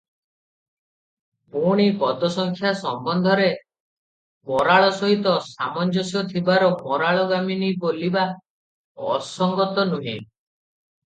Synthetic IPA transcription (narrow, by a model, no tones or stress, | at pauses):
puɽ̃ipɔd̪ɔsɔŋkʰjasɔmbɔnd̪ʱɔɾe | mɔɾaɭɔsɔɦit̪ɔsamɔnd͡ʒɔsjɔt̪ʰibaɾɔmɔɾaɭɔɡaminiboliba | ɔ̰sɔŋɡɔt̪ɔnuɦḭ̃